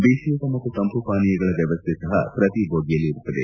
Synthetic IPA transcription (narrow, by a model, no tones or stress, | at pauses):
beːʂijuːkɐmɐt̪ːusɐmpupaːnijɐɡɐɭɐʋjɐʋɐst̪ʰɛsɐɦɐ̰pɾɐt̪ibʱoːɡijɐlːiːɾut̪ːɐd̪e